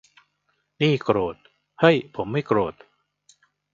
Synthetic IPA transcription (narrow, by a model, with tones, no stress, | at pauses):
niː˥˩kɾoː˨˩t̪̚ | ha˥˩jpʰo˩˦mːa˥˩jkɾoː˨˩t̪̚